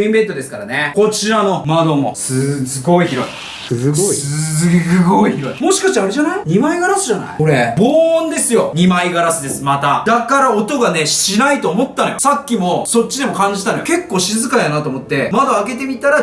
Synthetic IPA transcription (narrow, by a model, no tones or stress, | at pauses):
ĩmbe̞nt̪o̞d̪e̞sɨ̥kaɾaneko̞t͡ɕiɾano̞mad̪o̞mo̞̰sɨsɨɡo̞içiɾo̞̰ḭ | ɨɡoiçiɾo̞̰imo̞ɕi̥kaɕt̪aɾeʑanaiɲ̟imaiɡaɾasɨʑana̰ioɾebõːnd̪e̞sɨjo̞ɲ̟imaiɡaɾasɨd̪e̞sɨmat̪ad̪akaɾaot̪o̞ɡane̞ɕinait̪oːmo̞t̪ːano̞josakʲːimo̞so̞t͡ɕːid̪e̞mo̞kãɲ̟d͡ʑit̪anojoke̞kːo̞ːɕizɨkajanat̪o̞ːmo̞t̪ːe̞mad̪aːɡe̞t̪e̞mʲit̪aɾa